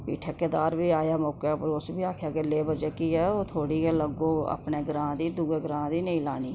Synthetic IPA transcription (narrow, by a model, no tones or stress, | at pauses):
pḭːʈʰekeːd̪aːɾbʱiːaːjaːmoːkaːbəɾʊːsbʱiːaːkʰjaːɡeːleːbəd͡ʒeːkiːɛːoːt̪ʰoːɽiːkeləɡoːə̰pneːɡɾãːd̪iːd̪uːeːɡɾãːd̪iːnəĩːlaːniː